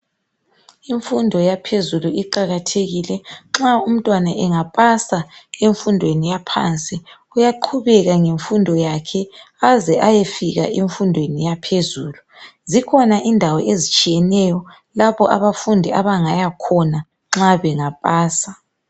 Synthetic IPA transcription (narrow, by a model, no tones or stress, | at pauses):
iɱfundʱɔjapʰezuluiǃaɣatʰeɣilɛŋ͡ǁaum̩tʼwanaʔɛŋapʼasaeɱfundʱwenijapʰa̰nt͡sʼi | ujaǃʰuβɛɣaŋeɱfundʱɔjakʰɛ | azɛʔajefiɣa̰ʔeɱfundʱwenijapʰezuːluzikʰɔnaʔindʱawɔʔezit͡ʃʼijɛnɛjɔ | laβɔʔaβafundʱiʔaβaŋajakʰɔna | ŋ͡ǁaβɛŋapʼaːsa